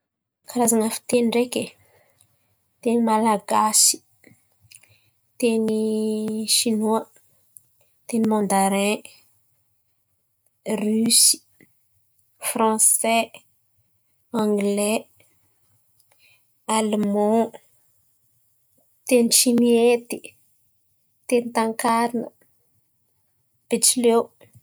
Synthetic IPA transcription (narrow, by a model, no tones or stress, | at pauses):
kaɾazaŋafi̥t̪enireke | t̪enimalaɡasi̥ | t̪eni | ʃinoa | t̪enimɔ̃nd̪aɾɛ̃ | rysi̥ | fɾãsɛ | ãŋɡlɛ | almɔ̃ | t̪enʃimiet̪i | t̪ent̪ãŋkaɾna̰ | pet͡ʃle